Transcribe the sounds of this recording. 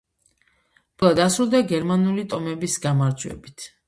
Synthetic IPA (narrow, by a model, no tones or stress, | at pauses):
b̥lˠad̪asɾulˠd̪aɡɛɾmanulit̪ʼɔmɛbisɡamaɾd͡ʒwɛ̰bit̪ʰ